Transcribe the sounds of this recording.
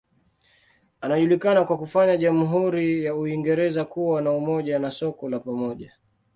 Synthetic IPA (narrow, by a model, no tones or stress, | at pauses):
anaʄulikanakwakufaɲaʄam̩ɦuɾijauiŋɡɛɾɛzakuwanaumɔʄanasɔkɔlapamɔʄa